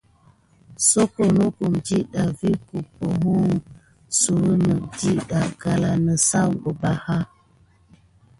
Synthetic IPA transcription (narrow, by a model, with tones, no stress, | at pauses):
so˦ko˨no˦ku˨md͡ʒi˦ɗa˨vi˦ku˨po˨ɦu˦ŋ | su˨ɾə˦nə˨d͡ʒi˦ɗa˨ɡa˦la˦nə˨sa˦wbə˨ba˦ha˦